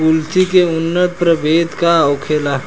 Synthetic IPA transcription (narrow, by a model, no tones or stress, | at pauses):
ʊlsikeʊnːət̪̚pɾəbeːd̪kaɔʊkʰeːlaː